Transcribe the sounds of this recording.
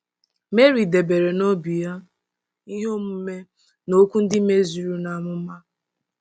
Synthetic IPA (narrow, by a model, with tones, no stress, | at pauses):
me˦ɾi˨de˨be˨ɾe˨no˦bi˨ja˦ | i˦ɦo˦m̩˦m̩˦me˦ | no˦kʷu˦n̩˦dɪ˦me˦zu˨ɾu˦na˨mʊ˦ma˦